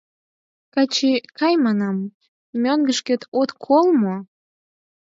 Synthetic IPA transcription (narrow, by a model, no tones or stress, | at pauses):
kɑt͡ɕekɑjmɑnɑm | mʲøŋɡəʃket̪ot̪kʰolmo